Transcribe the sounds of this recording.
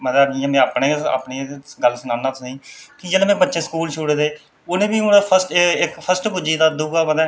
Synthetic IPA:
məd̪əːiːãːmɛ̃ːaːpneːa̰ːpneːɡəlsənãːnãːt̪ːĩːkid͡ʒeːleːmɛ̃ːbətːʃeːsə̥kuːlt͡ʃʰʊɽeːd̪eː | ʊnẽːbiːʊneːpʰəsʈɪkpʰəsʈbʊd͡ʒiːt̪aːd̪ʊɡaːməd̪ɛː

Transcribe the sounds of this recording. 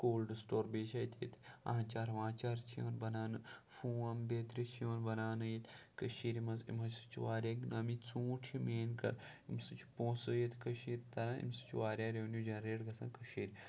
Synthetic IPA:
koːlɖɨsʈoːɾbeːt͡ʃʰaːjt̪ʰḛt̪ʰã̰ɦãt͡ʃaːɾʋãːt͡ʃaːɾt͡ʃʰio̰ːnbɐnaːnɨfũːɐmbeːt̪ɾit͡ʃʰijoːnbɐnaːnɨjet̪kəʃiːɾmɐnzḭmɐsɨ̥t͡ʃʰʋaːɾjaːɡnɐːmit͡sũːʈʰimeːnkɐ̰ɾ | imsɨt͡ʃʰpõːsɨjet̪kɐʃiːɾt̪ɐɾãːḭmsɨ̥t͡ʃʰʋaːɾʲjaːɾeʋnjuːd͡ʒɐnɾeːɽɡɐsɐ̃ːkɐʃiːɾ

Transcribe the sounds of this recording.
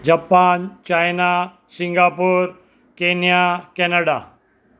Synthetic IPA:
d͡ʑapaːnt͡ɕaːjna | sĩŋɡaːpuːɾ | keːnijakɛːnəɽa

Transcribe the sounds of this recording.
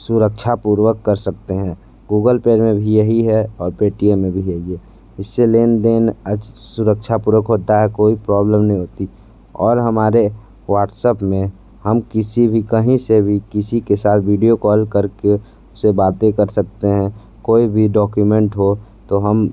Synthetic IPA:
sʊɾəkʃʰapuːɾwəkːəɾsək̚t̪eɦɛ̃ː | ɡuːɡəlpeːɾmẽbʱijɐɦiɦɛɔːɾpeːʈiemːẽbʱijɐɦiɦɛ | ɪsːeleːnd̪eːnəsʊɾəkʃʰapuːɾwəkɦoːt̪aɦɛkoːipɾɔːbləmnɐɦĩɦoːt̪i | ɔːɾɦɐmaːɾe | ʋaːʈsəpmẽ | həmkɪsibʱikəɦĩsebʱikɪsikesaːt̪ʰʋiːɖijokɔːlkəɾke | ʊsebaːt̪ekɐɾsək̚t̪eɦɛ̃ | koːibʱiɖɔːkjumẽɳʈɦo | t̪oɦəm

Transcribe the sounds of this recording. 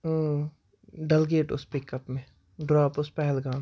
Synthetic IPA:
ɖɐlɡeːʈʊ̰spɪkəpmẽ | ɖɾɔːpʊspɛɦɛlɡaːm

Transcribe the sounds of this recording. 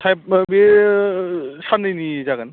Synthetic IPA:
tʰajp̚mi | sanːɯjnizaɡan

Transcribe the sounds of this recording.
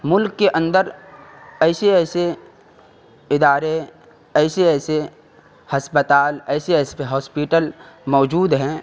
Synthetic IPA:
mʊlkːeʔə̃nd̪əɾ | ɛːseɛːse | ɪd̪aːɾe | ɛːseɛːse | hɐspət̪aːlɛːseɛːspeɦɔːspiʈəl | mɔːd͡ʒuːd̪ɦɛ̃ː

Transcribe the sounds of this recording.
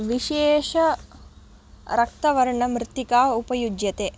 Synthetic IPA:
ʋiʃeːʃɐ | ɾɐk̚t̪ɐʋɐɾɐɳɐmɾɪt̪ːikaːupɐjud͡ʒjɐt̪e

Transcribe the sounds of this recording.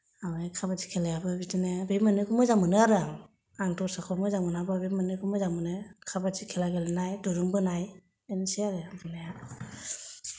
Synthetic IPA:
awajkʰabat͡ʃi̥kʰelajabɯbitinebemɯnɯkʰumɯjzamɯnɯaɾɯaŋ | aŋtɔɾsakʰɔmɯjzamɯnababemɯnɯkumɯzamɯnɯkʰabat͡ʃikʰelaɡelɯnajduɾuŋbɯnaj | enseaɾɯabɯnajaɯ

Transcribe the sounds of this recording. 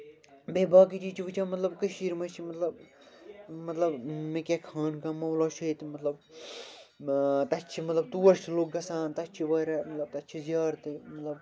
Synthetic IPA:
beːbʱaːk̬id͡ʒit͡ʃʰiʋɨt͡ʃʰãːmɐt̪lɐbkəʃiːɾmɐt͡ʃʰimɐt̪lɐb | mɐt̪lɐbmekʲekʰaːnkãːmɐwloːʃʰɐit̪mɐt̪lɐb | t̪ɐt͡ʃʰimɐt̪lɐb̚t̪uːɐʃt̪ʰiloːkɡɐsaːnt̪ɐt͡ʃʰiʋɐːɾɐmɐt̪lɐb̚t̪ɐt͡ʃʰizjaːɾt̪ɨmɐt̪lɐb

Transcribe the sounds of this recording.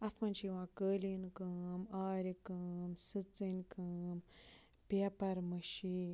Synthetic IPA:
ɐsmanʃiʋãkəːlinkəːmaːɾikəːmsɨt͡sɨnkəm | peːpɐɾməʃin

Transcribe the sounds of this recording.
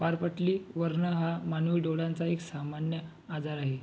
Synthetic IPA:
paɾpəʈliːʋəɾɳəɦamanuɖoɽãnt͡saeksamanjə | ad͡zaɾaɦe

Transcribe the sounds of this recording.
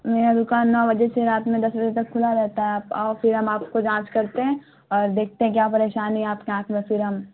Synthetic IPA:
meːɾad̪ʊkaːnːɔːbɐd͡ʒeseɾaːt̪mẽd̪ɐsbɐd͡ʒet̪ɐkʰːʊlaɾɛɦt̪aɦɛaːpɔːɾfɪɾɦɐmaːpkod͡ʒãːt͡ʃkɐɾt̪eɦɛ̃ | ɔːɾd̪eːk̚ʰt̪ẽɦɛ̃k̬jaːpɐɾeːʃaːniɛaːpkeãːk̪ʰmẽfɪɾɦɐm

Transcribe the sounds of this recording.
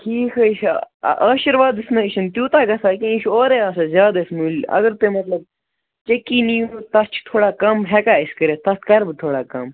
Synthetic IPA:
ʈʰiːkʰɐiʃʔaːʃiɾʋaːd̪ɨsmẽːʃɐnt̪juːt̪aːɡɐsaːkẽiʃoːɾeːaːsɐzjaːd̪aismuːlʲɐ̰ɡəɾt̪emɐt̪lɐb̚ | t͡ʃɐkːiːniːut̪ɐst͡ʃʰt̪ʰoːɽaːkɐmɦɛkaːiskɐɾeːt̪ɐst̪kɐɾbɨt̪ʰoːɽaːkɐm

